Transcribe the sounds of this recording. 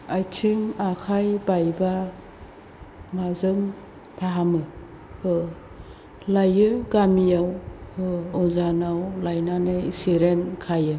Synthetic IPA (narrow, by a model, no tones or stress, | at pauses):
ajtʰiŋakʰajbajba | mazɯm | pʰaɦamɯ | ɯ | lajɯɡamijawɯɔzanawlajnanɯjsiɾenkʰajɯ